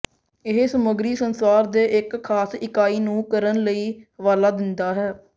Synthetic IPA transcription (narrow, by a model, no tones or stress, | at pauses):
ɪɦsəməɡɾiːsənsaːɾd̪eːʔɪkʰːaːsɪkaːiːnũːkəɾənləiːʋaːlaːd̪ɪnd̪aːɦɛː